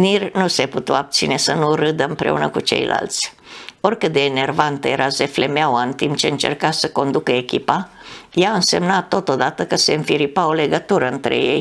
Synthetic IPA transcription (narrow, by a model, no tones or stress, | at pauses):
nirnuseput̪uab̚t̪sine̞sənuɾɨd̪əɨmpɾe̞̰ṵnəkut͡ʃe̞̰jlʔa̰lt̪sʲ | o̞rkɨt̪̚d̪eːne̞rvant̪əje̞ɾʔaze̞fle̞meawaɨnt̪impt͡ʃeɨnt͡ʃe̞̰rkasəko̞nd̪ukəekʲipa | jaɨnse̞mnat̪ːo̞t̪o̞d̪at̪əkəse̞ɨɱfiɾipao̞le̞ɡət̪uɾəɨnt̪ɾḛje̞̰j